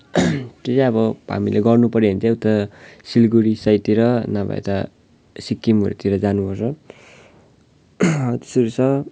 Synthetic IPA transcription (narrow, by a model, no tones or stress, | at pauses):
t̪et͡saʌbʌɦa̰mileɡʌrnupʌɾeɦʌ̃nt̪ʰẽut̪ʌsilɡuɾisʌjt̪iɾʌnabʱa̰ḛt̪ʌ | sikːimʌ̰ɾṵt̪iɾʌd͡zanubʱʌrt͡sʰʌ | t̪e̥sʌɾisʰʌ